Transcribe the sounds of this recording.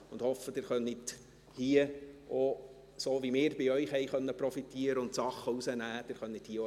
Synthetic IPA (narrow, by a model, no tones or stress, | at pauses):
ʊnd̥hɔfːəd̥ɪːɾχœnit | hiəo | soːʋimɪːɾb̥ɪœʏχhɛɪχœnːəpɾɔfitiːəɾəʊntsɑχːəusənæːd̥ɪːɾχœnːithiːəo